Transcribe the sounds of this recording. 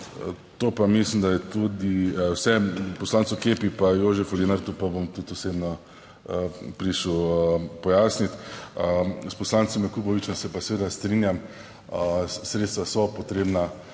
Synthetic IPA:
t̪oːpamislimd̪ajɛt̪ud̪iwsɛpɔslaːnt̪sɔkeːpipajoːʒɛfulinaɾt̪upabomt̪ut̪ɔseːbnɔ | əpɾiʃupɔjaːsnit̪ | spɔslaːnt̪sɔmjakuːbɔʋit͡ʃɛmsɛpasɛʋeːd̪ast̪ɾinjam | sɾeːt̪st̪ʋasɔpɔt̪ɾeːbna

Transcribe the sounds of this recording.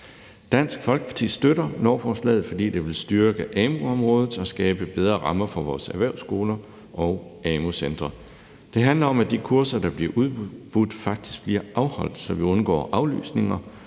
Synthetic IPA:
d̥æn̰sɡ̥fɒ̽lɡ̥ə̥pʰɑ̈t͡sʰḭːsd̥øɾɐnɒːfɒːslɛ̰ːð̩ˠfɒ̽d̥ḭːd̥e̝ʋe̝lsd̥yɐɡ̥əʔɛːmo̝ɒ̽mʁɔːð̞ˠð̩ˠt͡sʰɒsɡ̥ɛːb̥əb̥eð̞ˠʁɐʁɑ̈mɐfɒʋɒ̰ːsæʋæɐʊsɡ̥o̝ːlɐ | ʔɒ̽ʊɛːmosend̥ʁɐ | d̥e̝ɦænlɐɒ̽mæd̥ikʰuɐsɐd̥ɑ̈b̥liɐʔuð̞ˠb̥ʁud̥fɑ̈ɡ̥̚d̥i̥sɡ̥̚b̥liɐ̰ʔɑ̈ʊhɒ̽l̰d̥sɒ̽ʋiɔ̽nɡ̥ɒ̰ːʔɑ̈ʊly̰ːsne̝ŋɐ

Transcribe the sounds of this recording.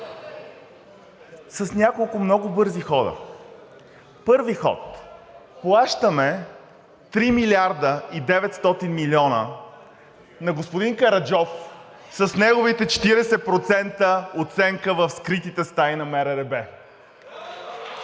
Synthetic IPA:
sɐsnʲakolˠkʊmnɔɡʊbɤɾzixɔd̪ə̰ | pɤɾvixɔ̰t̪plˠaʃt̪əmɛ | t̪ɾimilʲiaɾd̪əid̪ɛvɛt̪st̪ɔt̪inmilʲiɔnə̰ | nɐɡospʊd̪iŋkɐɾɐd͡ʒɔf | sɐsnɛɡʊvit̪ɛt͡ʃɛ̥t̪iɾɛsɛpɾot̪sɛnt̪əot̪sɛŋkəvəfskɾit̪it̪ɛst̪ajnɐmɛɾɛɾɛbɛ

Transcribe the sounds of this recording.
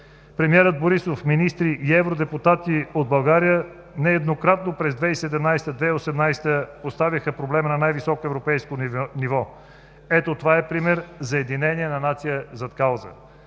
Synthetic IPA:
pɾɛmiɛɾəd̪̚boɾisofminist̪ɾiʔiɛvɾod̪ɛput̪at̪iod̪̚bɐlˠɡaɾijə | nɛːd̪nokɾat̪nopɾɛzd̪vɛisɛd̪ɛmnajst̪əd̪vɛiosɛmnajst̪əpost̪avʲiəxəpɾoblɛmənɐnajvisɔkoɛvɾopɛjskonivɔ | ɛt̪ot̪ovaɛpɾimɛɾzɐɛd̪inɛniɛnɐnat̪sijəzɐt̪kalˠzə̰

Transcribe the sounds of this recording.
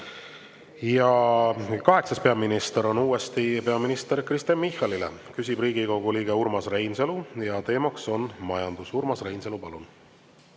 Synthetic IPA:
jɑ | kɑɦe̞ksɑspe̞ɑminist̪eɾo̞nuːest̪ipe̞ɑminist̪e̞ɾkrist̪ɑnmːihɑlilḛkys̬ʲibriːɡ̥iko̞ɡ̥uliːɡe̞uɾmɑsrejnselujɑt̪e̞ːmɑkso̞nmɑjɑnd̪̥usurmɑsrejnselupɑlun

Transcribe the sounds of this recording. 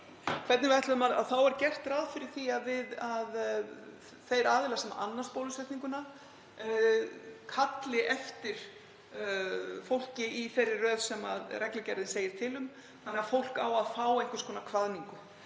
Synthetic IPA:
kʰv̥ɛɾt̪nɪvɪajt̪ʏʏmaða̰ðθawɛɾcɛr̥t̪raːðfɪɾɪɾ̥θiaðvɪðað | θejɾaːðɪlasɛma̰ʔa̰nːanspoːwlʏsɛht̪niŋkʏna | kʰat̪lɪʔɛft̪ɪɾ̥ | fowl̥cɪiθɛrːɪrrœːðsɛma̰ðrɛklɪcɛɾðɪnseːjɪɾ̥t̪ʰɪlʏm | θanɛafowl̥kawaðfaːwejŋ̥kvʏ̥skɔːnakʰvaðniŋkʏ

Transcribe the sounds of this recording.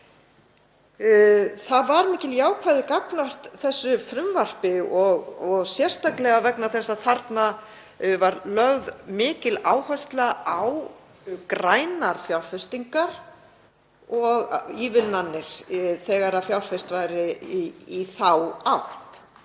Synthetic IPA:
θaðvaɾmɪːcɪljaːwkʰvaːðɪkaknœht̪θɛsːʏfɾʏmvar̥pɪɔɣɔɣsjɛr̥st̪aklɛɣavɛknaθɛsːaθaɾt̪na | vaɾlœɣðmɪːcɪlaːwhœst̪lɛaaw | kɾaːjnaɾ̥fjawlfɪst̪iŋkaɾ̥ | ɔɣiːvɪlnanːɪɾ̥θɛːɣaɾaðfjawlfɪst̪vajɾɪiθawawht̪

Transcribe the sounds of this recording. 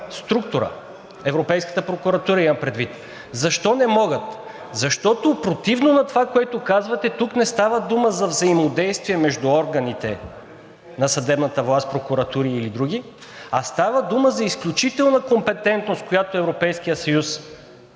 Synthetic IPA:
st̪ɾuk̚t̪ʊɾə̰ | ɛvɾopɛjskə̥t̪əpɾokʊɾɐt̪uɾəimɐmpɾɛd̪vit̪ | zɐʃt̪ɔnɛmɔɡət̪ | zɐʃt̪ɔt̪opɾot̪ivnonɐt̪ovakoɛt̪okazvɐt̪ɛt̪uknɛst̪avəd̪uməzɐvzɐimod̪ɛjst̪viɛmɛʒd̪uɔɾɡɐnit̪ɛ̰ | nɐsɐd̪ɛbnət̪əvlˠast̪̚pɾokuɾɐt̪uɾiːlid̪ɾuɡ̟i | ɐst̪avəd̪uməzɐisklʲut͡ʃit̪ɛlˠnəkompɛt̪ɛnt̪nost̪̚kojat̪oɛvɾopɛjsk̟ijəsɐjus

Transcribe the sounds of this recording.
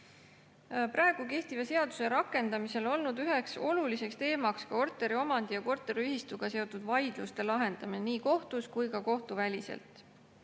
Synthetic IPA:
pɾɑe̞ɡ̥uke̞ht̪ivɑse̞ɑd̪̥u̥se̞ɾɑkːˑe̞nd̪̥ɑmise̞lo̞lnud̪yɦe̞kso̞lulise̞kst̪e̞ːmɑkskɑo̞rt̪ˑe̞ɾio̞mɑnd̪̥ijɑko̞rt̪ːˑeɾiyɦist̪uɡ̥ɑse̞o̞t̪ːˑud̪̥vɑjd̪̥lust̪e̞lɑɦe̞nd̪̥ɑmineniːko̞ht̪uskujkɑko̞ht̪uvælʲisḛlt̪ˑ

